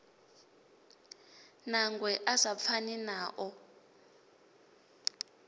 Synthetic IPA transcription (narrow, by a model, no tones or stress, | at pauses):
naŋɡwɛʔasap̪fʰaninaːʔɔ